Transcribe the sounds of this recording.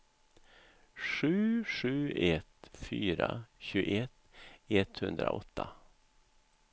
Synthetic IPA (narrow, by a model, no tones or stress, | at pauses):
ʂʉ̟ːʂʉ̟ːɛt̪fyːɾaɕʉ̟ːɡɛt̪ɛt̪hɵnd̪ɾa̰ʔɔt̪ʰːa